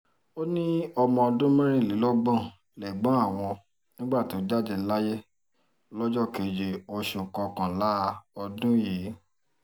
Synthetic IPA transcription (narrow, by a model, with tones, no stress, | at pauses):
o˦nĩ˦ɔ˧mɔ̃˧ɔ˧dũ˦mɛ̃˦ɾ̃ĩ˦˨le˨˦lɔ˦ɡ͡bɔ̃˦˨ | lɛ˨ɡ͡bã˦a˦˨w̃ɔ̃˧ | nĩ˦ɡ͡ba˦˨ti˨o˦d͡ʒa˦˨d͡ʒe˧˦la˦je˦ | lɔ˦d͡ʒɔ˦˨ke˨d͡ʒe˨o˦˧ʃẽ˨kɔ˧kã˨la˦ɔ˧dũ˦je˨˦